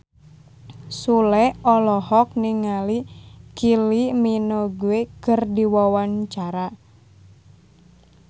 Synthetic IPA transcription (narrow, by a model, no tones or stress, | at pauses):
sulɛɔlɔhɔk̚niŋalikiliminoɡuekərdiwawant͡ʃaɾa